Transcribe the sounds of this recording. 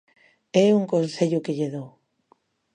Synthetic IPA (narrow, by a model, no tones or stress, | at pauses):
ɛuŋkõnθeʎʊkeʎeðow